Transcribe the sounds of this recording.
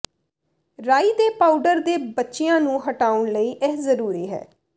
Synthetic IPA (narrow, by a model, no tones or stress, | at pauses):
ɾaːiːd̪eːpaːuɖəɾd̪eːbətːʃɪjãːnũːɦəʈaːʊɳləiːʔɪɦzəɾuːɾiːɦɛ̰ː